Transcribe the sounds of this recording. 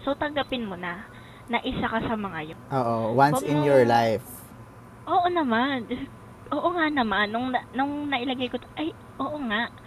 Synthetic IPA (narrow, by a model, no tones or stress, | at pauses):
sot̪ɐŋɡɐpɪnmonɐ | nɐʔɪsakɐsɐmɐŋajonʔoːʔowansɪnjɔɹlajf | ʔoːʔo̞nɐman | ʔo̞ːʔoŋaʔnɐmanːʊŋnɐnʊŋnɐʔɪlɐɡajkot̪oʔɐj | ʔo̞ːʔo̞ŋaʔ